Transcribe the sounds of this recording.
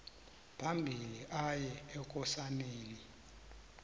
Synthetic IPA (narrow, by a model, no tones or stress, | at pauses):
pʰambʱiliʔajɛɛk̬ʼɔsaneːli